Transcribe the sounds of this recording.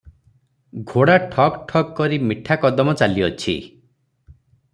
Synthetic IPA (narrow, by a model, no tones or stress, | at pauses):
ɡʱoɽaʈʰɔkʈʰɔkkːɔɾimiʈʰakɔd̪ɔmɔt͡ʃaliɔt͡ʃʰḭ